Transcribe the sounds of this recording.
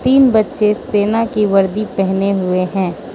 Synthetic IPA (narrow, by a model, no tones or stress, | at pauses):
t̪iːnbɐtːʃeseːnakiʋɐɾd̪ipɛɦneɦʊeɦɛ̃ː